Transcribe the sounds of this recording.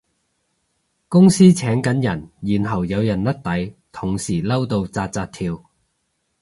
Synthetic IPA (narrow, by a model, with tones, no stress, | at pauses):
kʊ˥ŋsiː˥t͡sʰɛː˨˥ŋkɐ˨˥njɐ˨˩njiː˨˩nɦɐ˨˩wjɐ˨˧wjɐ˨˩nlɐ˥t̚t̪ɐ˨˥jt̪ʰʊ˨˩ŋsiː˨˩lɐ˥wt̪o˧wt͡saː˧t̚t͡saː˧t̚t̪ʰiː˧w